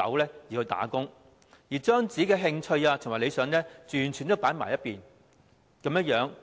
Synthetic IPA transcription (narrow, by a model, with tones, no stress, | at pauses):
ɐ̰˨˥wlɛː˥jiː˨˩hɵ˧jt̪a̰ː˨˥kʊ˥ŋ | jiː˨˩t͡ʃœː˥ŋt͡siː˨˥kɛː˧ɦɪ˧ŋt͡ʃʰɵ˧ɥaː˧t̪ʰʊ˨˩ŋwaː˨˩le˨˧jsœː˨˧˥ŋnɛː˥t͡ʃyː˨˩nt͡ʃʰy˨˩nt̪o˥wpaː˨˥nma̰ː˨˩jɐ˥t̚piː˨n | kɐ˨˥mjɐ˥jœː˨˥ŋ